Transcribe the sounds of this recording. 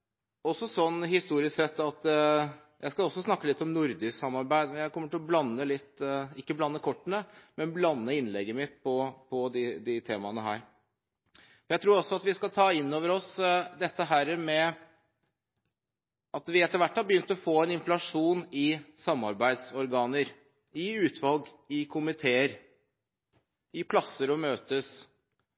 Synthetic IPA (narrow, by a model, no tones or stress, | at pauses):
ɔsːɔsɔnːhɪst̪uːɾɪsksɛt̪ːɑt̪ | jæ̰ɪskɑɔsːɔsnɑkːəlɪt̪ːɔmnʊɾd̪ɪsɑmɑɾbæɪd̪mjæɪkʰɔmːəʈɪlɔblɑnːəlɪt̪ːɪkːəblɑnːəkʰɔʈːənəmɛnblɑnːəɪnlɛɡːəmɪt̪pʰɔpʰɔd̪ɪd̪ɪt̪ʰeːmɑnəɦæ̰ːɾ | ɔjæt̪ʰɾuːɾɔsːɔɑt̪ʋɪskɑlt̪ʰɑːɪnːoːʋəɾɔsd̪ɛt̪ːəɦæːɾəmɛ | ɑt̪ʋɪɛt̪ːəɾʋæʈʰːɑlbəjʏnt̪əɔfoːɛnɪnflɑʂuːnɪsɑmːɑɾbæɪd̪sɔɾɡɑːnəɾ | ɪʉːt̪ʰʋɑlɡ | ɪkʰʊmɪt̪ʰeːəɾ | ɪpʰlɑsːəɾɔmøːt̪əs